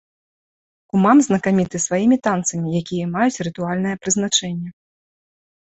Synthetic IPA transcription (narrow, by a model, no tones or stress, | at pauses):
kumamznɐkamʲit̪ɨsvajimʲit̪ant̪sɐmʲijakʲijɛmajut͡sʲɾɨt̪ualʲnɐjɛpɾɨzn̪at͡ʂɛnʲːɛ